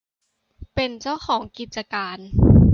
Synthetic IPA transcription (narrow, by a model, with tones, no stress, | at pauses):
pe˧nt͡ɕaː˥˩wxʰɔː˩˦ŋki˨˩t̪̚t͡ɕa˧kaː˧n